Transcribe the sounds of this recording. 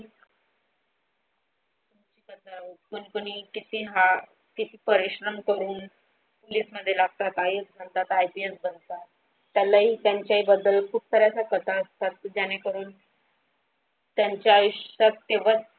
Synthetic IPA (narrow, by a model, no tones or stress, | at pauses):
t̪umt͡ɕiːkət̪ʰaaɦut̪kənikoɽ̃iːkit̪iːɦa | kit̪iːpəɾiɕɾəmkəɾuːn | poliːsməd̪ʱːjelaɡ̚t̪at̪ajesbʱənt̪at̪ajpiesbənt̪at̪ː | jalaɦiːt̪jaɲt͡ɕjaɦiːbəd̪ːəlkʰuːp̚səɾjat͡sakət̪ʰaəst̪at̪̚d͡ʑañekəɾuːn | t̪jaɲt͡ɕjaːjuɕt̪at̪ːeʋ̤a